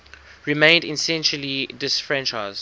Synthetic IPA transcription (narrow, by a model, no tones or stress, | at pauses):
ɹimẽɪ̃ndɪ̃nsɛ̃nʃəlidɪsfɹɛ̃nt͡ʃaɪz